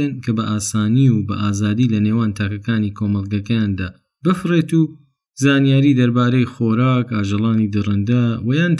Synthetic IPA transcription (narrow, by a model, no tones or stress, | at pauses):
ɐnkʰɐbɐʔaːsaːniubɐʔaːzaːd̪iːlɐneːwaːnt̪ʰaːkɐkaːnikʰoːmɐlˠɡɐkɐjaːnd̪aː | bɨfɨreːt̪uː | zaːnijaːɾiːd̪ɐɾbaːɾejxoːɾaːkaːʒɐlˠɑːnid̪ɨrɨnd̪ɐwɐjaːnt̪